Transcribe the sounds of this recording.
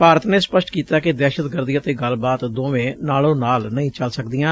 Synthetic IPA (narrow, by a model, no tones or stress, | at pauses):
paːɾət̪neːspəʃʈkiːt̪aːkɪd̪ɛːʃət̪ɡəɾd̪iət̪eːɡəlbaːt̪d̪oːʋẽːnaːlõːnaːlnəĩːt͡ʃəlsək̚d̪ɪːãː